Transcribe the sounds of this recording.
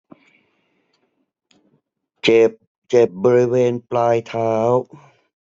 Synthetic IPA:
t͡ɕe˨˩p̚ | t͡ɕe˨˩p̚bɔː˧ɾi˦˥weː˧nplaː˧jt̪ʰaː˦˥w

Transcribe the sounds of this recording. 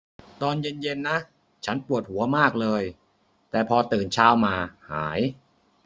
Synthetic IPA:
t̪ɔː˧nje˧nje˧nːa˦˥ | t͡ɕʰa˦˥npu˨˩ət̪̚hu˩˦ɐmaː˥˩k̚lɤː˧j | t̪ɛː˨˩pʰɔː˧t̪ɯː˨˩nt͡ɕʰaː˥wmaː˧ha̰ː˩˦j

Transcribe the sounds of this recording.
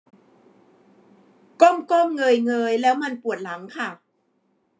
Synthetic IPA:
ko˥˩mko˥˩mŋɤː˧jŋɤː˧jlɛː˦˥wma˧npu˨˩ə˩t̪̚la˩˦ŋkʰa˥˩

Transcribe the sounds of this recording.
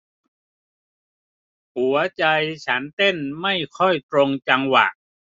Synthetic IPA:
hu˩˦ɐt͡ɕa˧jt͡ɕʰa˦˥nt̪e˥˩nma˥˩jkʰɔ˥˩jt̪ɾo˧ŋt͡ɕa˧ŋwa̰˨˩ʔ

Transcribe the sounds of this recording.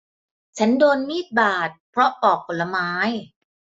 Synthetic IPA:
t͡ɕʰa˦˥ndoː˧nmiː˥˩t̪̚baː˨˩t̪̚pʰɾɔ˦˥ʔɔː˨˩k̚ʔo˨˩la˧maː˦˥j

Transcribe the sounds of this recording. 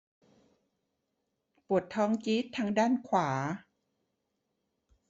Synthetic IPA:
pu˨˩ət̪ʰːɔː˧˥ŋt͡ɕi˦˥t̪ʰːaː˧˥ŋdaː˥˩nkʰwaː˩˦

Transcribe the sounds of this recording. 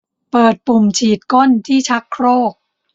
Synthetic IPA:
pɤː˨˩t̪̚pu˨˩mt͡ɕʰiː˨˩t̪̚ko˥˩nt̪ʰiː˥˩t͡ɕʰa˦˥kʰɾoː˥˩k̚

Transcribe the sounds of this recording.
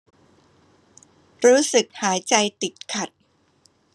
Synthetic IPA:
ɾuː˦˥sɯ˨˩k̚haː˩˦jt͡ɕa˧jt̪i˨˩t̪̚kʰa˨˩t̪̚

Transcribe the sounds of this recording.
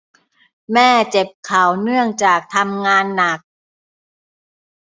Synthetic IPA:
mɛː˥˩t͡ɕe˨˩p̚kʰa˨˩˦wnɯ˥˩əŋt͡ɕaː˨˩k̚t̪ʰa˧mŋaː˧nːa˨˩k̚

